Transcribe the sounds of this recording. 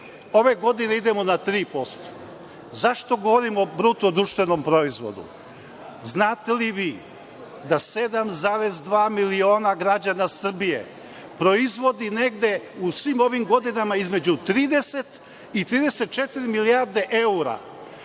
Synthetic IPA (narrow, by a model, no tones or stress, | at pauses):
o̞ʋe̞ɡo̞d̪ine̞id̪e̞mo̞nat̪ɾiːpo̞st̪o̥ | zaʃt̪o̞ɡo̞ʋoɾimobɾut̪od̪ɾuʃt̪ʋe̞no̞mpɾo̞izʋo̞̰d̪ṵ | znaːt̪e̞liʋiː | d̪ase̞d̪amzaɾe̞zd̪ʋaːmilio̞ːnaɡɾad͡ʑanasr̩bijḛ | pɾo̞izʋo̞d̪ine̞ɡd̪e̞usʋimo̞ʋimɡo̞d̪inamaizme̞d͡ʑut̪ɾiːd̪e̞se̞t̪ | it̪ɾiːd̪eset̪̚t͡ʃet̪iɾimiliaɾd̪e̞ʔe̞uɾa̰